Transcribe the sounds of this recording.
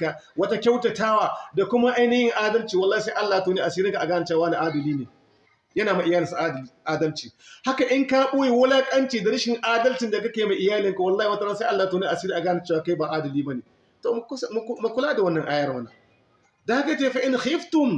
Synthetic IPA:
ka˨ | wɐ˦ta˦kʲa˦wtɐ˨taː˦waː˨da˨kʷʊ˦ma˦ʔa˦jnɐ˦jɪ˦ŋʔaː˦dɐ˦lt͡ʃiː˨wɐ˨lːaː˦i˨sa˦ʔa˦lːa˨tu˦niː˦ʔa˨siː˦ɾɪ˦ŋka˨ʔa˨ɡaː˦na˨t͡ʃe˦a˨waː˦na˨ʔaː˦dɐ˨liː˦neː˨ | jɐ˦naː˨ma˨ʔɪ˨jaː˦lɪ˨sa˦ʔa˦˨ʔaː˦dɐ˦lt͡ʃiː˨ha˦ka˨ʔɪ˦ŋka˦ɓʊ˦ji˨wʊ˦la˦kʼɐ˦nt͡ʃiː˨da˨ɾɪ˦ʃɪ˨ŋʔaː˦dɐ˦lt͡ʃɪ˨nda˨kɐ˦kʲeː˨ma˨ʔɪ˨jaː˦lɪ˦ŋka˨wɐ˨lːaː˦hi˨wa˦ta˦sa˦ʔa˦lːa˨tu˦niː˦ʔa˨siː˦ɾiː˦ʔa˨ɡaː˦na˨t͡ʃe˦waː˨ka˦baː˨ʔaː˦dɐ˨liː˦bɐa˦neː˨ | toː˨˦sma˨kʷʊ˦laː˦da˨wɐ˦nːɐ˨ŋʔaː˦jɐ˦rmɐ˦na˨ | da˨ha˦ka˨˦t͡ʃeː˦fa˦ʔɪ˦n˨xɪ˦ftʊ˨m

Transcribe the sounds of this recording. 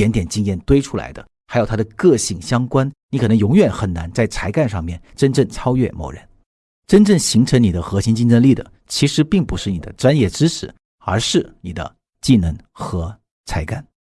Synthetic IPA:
ɛ˧˥nt̪jɛ˨˩nt͡ɕi˥ŋjɛ˥˩nt̪we˥ɪʈ͡ʂʰu˥la̰˧˥ɪd̪ə̰˧ | xa˧˥ɪjʊt̪ʰa˥d̪ə˨˧kɤ˥˧ɕi˥˩ŋɕjɑ˥ŋkwa˥nni˧˥kʰɤ˨˩nɤ˧˥ŋjʊ˧˥ŋɥɛ˨˩nxə˨˩na˧˥nt͡sa˥˩ɪt͡sʰa˧˥ɪka˥˧nʂɑ̰˥˧ŋmjɛ˥˩nʈ͡ʂə˥nʈ͡ʂɤ˥˩ŋt͡sʰɑ˥ʊɥɛ̰˥˧mo̰˥˩ʊɻə̰˧˥n | ʈ͡ʂə˥nʈ͡ʂɤ˥˩ŋɕi˧˥ŋʈ͡ʂʰɤ˧˥ŋni˨˩d̪ə˦xɤ˧˥ɕi˥ŋt͡ɕi˥˧nʈ͡ʂə˥˧nli˥˩d̪ə̰˩ | t͡ɕʰi˧˥ʂɻ̩˧˥pi˥˩ŋpu˧˥ʂɻ̩˥˩ni˨˩d̪ə̰˦ʈ͡ʂwa˥njɛ˥˩ʈ͡ʂɻ̩˥ʈ͡ʂʰɻ̩˧˥˦ | ə̰˞˧˥ʂɻ̩˥˩ni˨˩d̪ə̰˦ | t͡ɕi˥˩nə˧˥ŋ | xɤ˧˥ | t͡sʰa˧˥ɪka˥˩n

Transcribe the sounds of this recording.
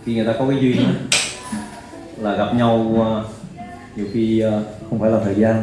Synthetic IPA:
xi˧ŋɨ˨˩ət̪aː˧kɔ˨˦kaː˨˦zwi˧ɲ˧˨˦ | laː˨˩ɣa˨˩p̚ɲa˧w | ɲi˨˩wxiː˧˨˧xə˧wŋ͡mfaː˧˩jlaː˨˩t̪ʰəː˨˩jzaː˧n

